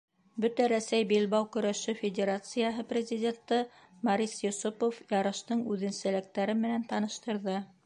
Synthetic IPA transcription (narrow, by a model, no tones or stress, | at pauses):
bɵt̪æɾæsæjbelbɑwkɵ̆ɾæʃɵfʲɪdʲeɾat̪sɨjaɦɤprʲɪzʲidʲe̞nt̪ɤ | mɑɾʲisjŏsupofjɑɾɤ̆ʃt̪ɤɴʉðɘ̆nsælɘ̆k̚t̪æɾɘmɘ̆nænt̪ɑnɤ̆ʃt̪ɤ̆ɾðɤ